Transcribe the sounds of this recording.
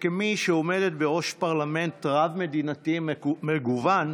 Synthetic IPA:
kemiʃeome̞det̪beʁo̞ʃpaʁlame̞ntʁavme̞d̪inatimeɡuvan

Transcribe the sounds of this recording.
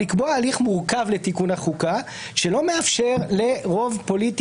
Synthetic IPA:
ikboaːliχmuʁkavle̞tikunaχuka | ʃelo̞meafʃe̞ʁle̞ʁo̞vpo̞lit

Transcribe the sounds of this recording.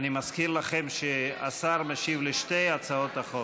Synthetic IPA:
nimaskiʁlaχemʃea̰saʁmeʃivleʃt̪ejat͡saot̪aχo

